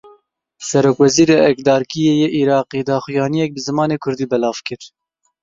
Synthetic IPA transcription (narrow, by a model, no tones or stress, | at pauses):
sɛɾoːkwɛziːɾeːʔɛkd̪ɑːɾkijeːjeːʔiɾɑːqiːd̪ɑːxʊjɑːnijɛk̚bɨzɨmɑːneːkʰʊɾd̪iːbɛlɑːvkɨɾ